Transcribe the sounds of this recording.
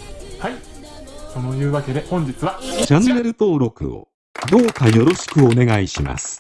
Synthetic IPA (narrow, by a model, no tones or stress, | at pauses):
hai | so̞no̞jɯ̟ːβake̞d̪e̞hõ̞ɲ̟d͡ʑit͡sɨβat͡ɕanːe̞ɾɯ̟t̪o̞ːɾo̞kɯ̟̰o̰ | d̪o̞ːkajo̞ɾo̞ɕi̥kɯ̟o̞ne̞ɡaiɕima̰sɨ̥